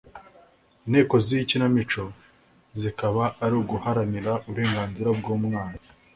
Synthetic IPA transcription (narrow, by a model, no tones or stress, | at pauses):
inhe̞ːko̞zicinamit͡ʃo̞ | zikaβaːɾuɡuhaɾaniɾaʔuβuɾe̞ːŋɡaːnziɾabɡuːmŋaːna